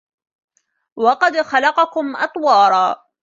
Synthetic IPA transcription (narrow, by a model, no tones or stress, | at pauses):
wɑqɑd̪xalɑqɑkʊmʔɑ̰t̪ˤwɑːɾˤɑː